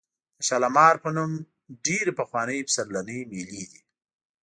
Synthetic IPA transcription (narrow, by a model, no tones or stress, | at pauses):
əʃalamɑɾpənum | ɖeɾepəxwɑːnəjpsaɾlanəjmilid̪i